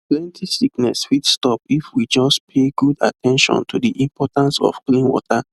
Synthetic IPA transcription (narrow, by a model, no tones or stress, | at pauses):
plɛ̃ntʰisiknɛ̰sfidstɔpifwid͡ʒɔspʰeɡuda̰tʰɛ̃nʃɔ̰̃ntʰudiʔĩmpʰɔtãnsɔ̰fklĩnwɔ̰tʰa